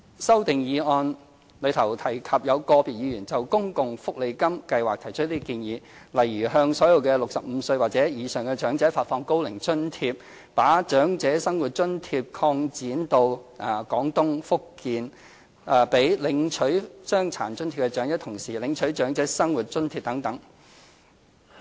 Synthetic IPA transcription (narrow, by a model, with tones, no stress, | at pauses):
sɐ˥wt̪ɪ˨ŋjiː˨˧ɔː˧n | lɵ˨˧˥t̪ʰɐ˨˩wt̪ʰɐ˨˩jkʰɐ˨p̚jɐ˨˧wkɔː˧piː˨t̚jiː˨˧jyː˨˩nt͡sɐ˨˩wkʊ˥ŋkʊ˨ŋfʊ˥k̚le˨˧jkɐ˥mkɐ˧jwaː˨k̚t̪ʰɐ˨˩jt͡ʃʰɵ˥t̚liː˥kiː˧njiː˨˧lɐ˨˩jɥyː˨˩ɦœː˧ŋsɔː˨˥jɐ˧wkɛ˧lʊ˨k̚sɐ˨p̚m̩˨˧sɵ˧ɥwaː˨k̚t͡sɛː˨˥jiː˨˧sœː˨˩ŋkɛ˧t͡ʃœː˨˥ŋt͡sɛː˨˥faː˧t̚fɔː˧ŋko˥wlɪ˨˩ŋt͡sɵ˥nt̪ʰiː˧p̚ | paː˨˥t͡ʃœː˨˥ŋt͡sɛː˨˥sɐ˥ŋwu˨˩t̚t͡ʃɵ˥nt̪ʰiː˧p̚kʰɔː˧ŋt͡siː˨˥nt̪o˧wʔa˨kɔː˨˥ŋt̪ʊ˥ŋfʊ˥kːiː˧nː˨˩ | pe˨˥jlɪ˨˧˥ŋt͡ʃʰɵ˨˥ɥsœː˥ŋt͡sʰa̰ː˨˩nt͡snt̪ʰiː˧pkɛ˧t͡ʃœː˨˥ŋjɐ˥t̪ʰʊ˨˩ŋsiː˨˩lɪ˨˧ŋt͡ʃʰɵ˨˥ɥt͡ʃœː˨˥ŋt͡sɛː˨˥sɐ˥ŋwuː˨t̚t͡ʃɵ˥nt̪ʰiː˧p̚t̪ɐ˨˥ŋt̪ɐ˨˥ŋ